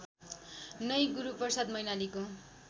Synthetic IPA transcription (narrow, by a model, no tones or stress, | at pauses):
nʌjɡuɾupʌrsad̪mʌjnaliko